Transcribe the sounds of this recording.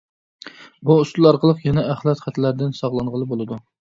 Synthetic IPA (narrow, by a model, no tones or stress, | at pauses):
buust̪ulˠɑɾqəlˠəqjɛnɛæχlˠɛt̪χæt̪ʰɪlæɾd̪ɪnsɑʁlˠɑɴʁəlˠɨbolˠɨd̪u